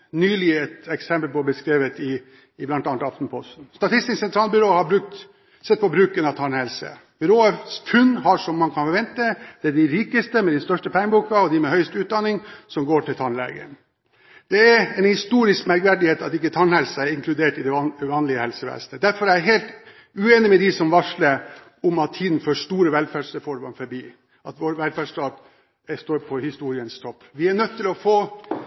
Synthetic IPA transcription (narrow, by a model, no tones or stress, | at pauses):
nyːlɪəɛt̪ɛksɛmpəlpɔbəskɾeːʋət̪ɪː | blɑnt̪ɑːnt̪ɑft̪n̩pʰɔst̪n̩st̪ɑt̪ʰɪst̪ɪsɛnt̪ɾɑːlbʏɾoːhɑɾbɾʉk̚t̪ | sɛt̪̚pɔbɾʉːkənɑʋt̪ʰɑɳhɛlsə̰ | b̥ʏɾoːəst̪ʰʉnːhɑʂɔmːɑnkʰɑnfɔɾʋɛnt̪əd̪̥ɛæɖɪɾiːkəst̪əmɛd̪ɛnst̪œʂʈəpʰɛŋəbuːkɑɔd̪ɪmɛhœʏst̪ʉːt̪̚d̪ɑnːɪŋsɔmɡoːʈɪlt̪ʰɑnlɛ̰ɡə̰n | d̪̥ɛæɛnhɪst̪uːɾɪskmæɾkʋæɖɪheːt̪ɑ̰t̪ɪkːət̪ʰɑnhɛlsɑɛɾɪŋkʰlʉd̪eːʈɪd̪ɛʋɑːnlɪəhɛlsəʋḛːsnəd̪æɾfɔɾæɪæɦeːlt̪ | ʉeːnɪmɛd̪isɔmʋɑʂləɾ | ʊmɑt̪̚ʰiːd̪n̩føːʂt̪uːɾəʋɛlfæɖʂəfɔɾmɑmfɔɾbiː | ʔɑt̪ʋoɾʋɛlfæɖʂʈɑːd̪ | ɛst̪oːɾpʰɔhɪst̪uːɾɪənst̪ʰɔpːʋɪænœt̪ʰːɪlɔfoː